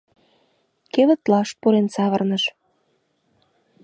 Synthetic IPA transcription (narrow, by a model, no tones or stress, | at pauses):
keβə̆t̪lɑʃpuɾensɑβə̆rnəʃ